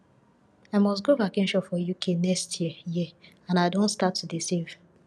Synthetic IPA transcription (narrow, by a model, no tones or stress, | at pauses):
aɪmɔsɡobakɪ̃nʃɔfɔjukʰenɛkstʰjiji | ãnaɪdõntstatʰːudisiv̥